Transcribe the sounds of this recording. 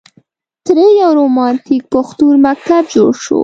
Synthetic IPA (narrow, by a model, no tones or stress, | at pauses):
t̪ɾejawɾomɑnt̪ik̚pʊxt̪uɾmak̚t̪ab̚d͡ʒoɽʃo̰